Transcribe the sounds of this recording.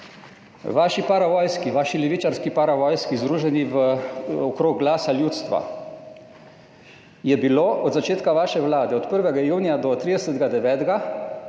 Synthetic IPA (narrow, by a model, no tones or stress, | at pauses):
ʋaːʃipaɾaʋɔːjskiʋaːʃilɛʋiːt͡ʃaɾskipaɾaʋɔːjskizd̪ɾuːʒɛniʋəɔkɾoːɡ̚ɡlaːsaljuːt̪st̪ʋa̰ | jɛbiloːʔɔd̪zat͡ʃeːt̪kaʋaːʃɛʋwlaːd̪ɛɔt̪pəɾʋɛɡajuːnijad̪ɔt̪ɾiːd̪ɛsət̪ɡad̪ɛʋɛːt̪ɡa